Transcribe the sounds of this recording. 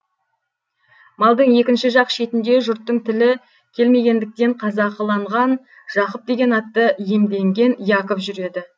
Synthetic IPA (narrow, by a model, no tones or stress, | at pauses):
mɑlˠd̪əɴje̞kʲɪnʃɪʒɑqʃe̞t̪ɪnd̪e̞ʒʊɾt̪ːəɴt̪ʰɪlɪ | kʲʰe̞lme̞ɡʲe̞nd̪ɪk̚t̪e̞ɴqʰɑzɑqəlˠɑɴʁɑn | ʒ̥ɑqəp̚d̪e̞ɡʲe̞nɑt̪ːəjemd̪e̞ŋɡʲe̞njɑqəpʒʏɾe̞d̪ɪ